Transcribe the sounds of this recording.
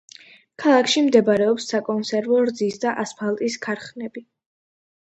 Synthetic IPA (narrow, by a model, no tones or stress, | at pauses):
kʰalˠakʰʃimd̪ɛbaɾɛɔpsːakʼɔnsɛɾvɔɾd̪zisd̪aʔaspʰalˠt̪ʼiskʰaɾχnɛbi